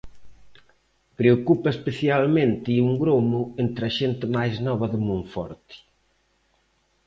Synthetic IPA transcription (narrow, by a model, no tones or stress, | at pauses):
pɾeokupɐespeθjalmẽnt̪ɪiuŋɡɾomʊent̪ɾɐʃent̪ɪmajznɔβɐðɪmũɱfɔ̰ɾt̪i̥